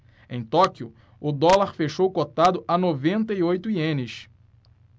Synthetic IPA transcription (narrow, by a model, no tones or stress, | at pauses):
ẽj̃t̪ɔkiʊ | ʊd̪ɔlaɾfeʃowkot̪ad̪ʊʔanovẽnt̪ɐiojt̪ʊiẽnɪʃ